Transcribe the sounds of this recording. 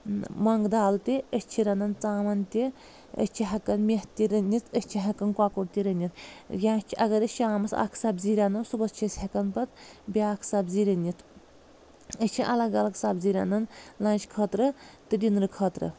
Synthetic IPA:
mɐŋɡd̪aːlt̪iəsʲt͡ʃʰiɾʲɐnɐnt͡saːmɐnt̪ʲi | ə̰sʲt͡ʃʰiɦɐkɐnmʲeht̪ʲːiɾɐnʲit͡s̪ʰəsʲt͡ʃʰiɦɐkɐnkwaːkuɾt̪ʲiɾɐnʲit̪ʰjʲãːsʲt͡ʃʰiʔɐɡɐɾət͡ʃʰʲaːmɐsɐ̰kʰsɐbziɾʲanɐsubɐst͡ʃʰisʲhɐkɐnpɐt̪bʲaːkʰsabziɾɐnʲːit̪ʰ | əsʲt͡ʃʰiʔɐlɐɡɐlɐɡsabziɾʲɐ̰nɐnlɐːnʲt͡ʃʰʲkʰɐt̪ɾɨt̪ɨdʲinɾɨkʰɐːt̪ɾɨ̰

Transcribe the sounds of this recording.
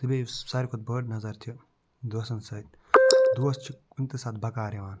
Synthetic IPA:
t̪ibʲejsɐɾʲikʰot̪̚bəːʈnɐzɐɾt̪ʰi | d̪usɐnsɐt̪̚ʲ | d̪uɐst͡ʃʰi | unʲt̪isaːt̪̚bɐkaːɾʲeʋaːn

